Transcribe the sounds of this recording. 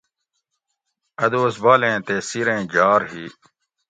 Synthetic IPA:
ɐd̪oːsbaːlẽːt̪eːsiɾẽːd͡ʑaːɾɦiː

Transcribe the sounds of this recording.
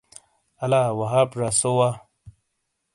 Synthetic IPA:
ɐlawɐɦaːpʐasowa

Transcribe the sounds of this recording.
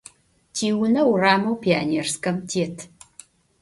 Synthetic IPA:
tʰiːwʊnɐwraːmɐwpʰia̰ːneːrskɐmtʰeːtʰ

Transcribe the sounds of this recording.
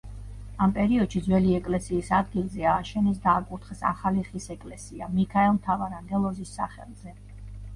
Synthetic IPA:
ampʼɛɾiɔd̪̥ʃid̪zwɛliɛkʼlɛsiːsad̪ɡilˠzɛaːʃɛnɛs̬d̪aːkʼut̪ʰχɛsa̰χaliχisɛkʼlɛsia̰mikʰaɛlˠmt̪ʰavaɾand̪ɛlˠɔzisːa̰χɛ̰lˠz̥ɛ

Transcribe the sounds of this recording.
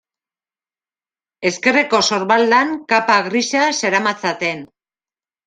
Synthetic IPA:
e̞ske̞reko̞so̞ɾβald̪aŋkapaɣɾisase̞ɾamat͡sat̪e̞n

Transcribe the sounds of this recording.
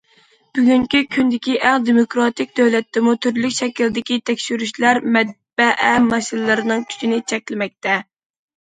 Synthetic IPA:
b̥yɡʲyŋkʲykʲʰynd̪ɪkʲiʔæŋd̪emokɾɑt̪ɪk̚ʲd̪øwlɛt̪ʰːɪmut̪ʰyɾlykʲʃɛkʲild̪ɪkʲit̪ʰɛkʲʃyɾyʃlæɾmɛt̪̚b̥ɛʔɛmɑʃinlˠɨɾɨnɨŋt̪ʰy̥t͡ʃ̪inɪt͡ʃʰɛkʲlɪmɛk̚ʲt̪ʰɛ

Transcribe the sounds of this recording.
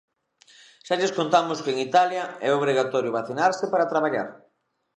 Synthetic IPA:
ʃaʎeskont̪amʊskɪeŋit̪aljɐɛoβ̞ɾiɣat̪ɔɾjʊβaθinaɾsɪpaɾat̪ɾaβaʎa̰ɾ

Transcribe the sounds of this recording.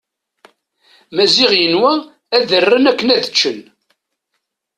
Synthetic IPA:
mæzɪʁjənwæ | æðərːənækːənæðət͡ʃːən

